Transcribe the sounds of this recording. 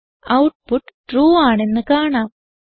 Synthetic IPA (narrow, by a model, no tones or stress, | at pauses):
ɐwʈ̚puʈːʈruːaːɳe̞nːɨkaːɳaːm